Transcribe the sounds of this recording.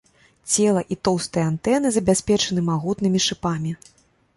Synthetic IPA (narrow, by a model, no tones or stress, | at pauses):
t͡sʲɛlˠɐʔit̪ɔwst̪ɐjant̪ɛnɨzɐbʲasʲpʲɛt͡ʂɐnɨmaɣut̪nɨmʲiʂɨpamʲi